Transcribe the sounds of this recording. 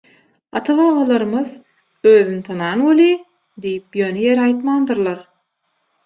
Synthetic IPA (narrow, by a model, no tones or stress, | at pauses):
ɑt̪ʰɑβɑːʁɑlˠɑɾɯmɯð | øːðynit̪ʰɑnɑːnwoli | d̪ijipjø̞ːneje̞ɾɑjt̪mɑːnd̪ɯɾlˠɑɾ